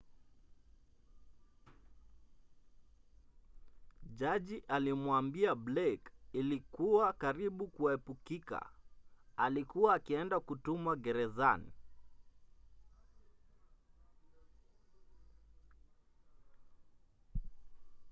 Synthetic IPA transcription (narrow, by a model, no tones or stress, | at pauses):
ʄaʄiʔalimwambiablɛkilikuwakaɾiɓukuaɛpukika̰ | alikuwaːkiɛndakutumwaɡɛɾɛzanḭ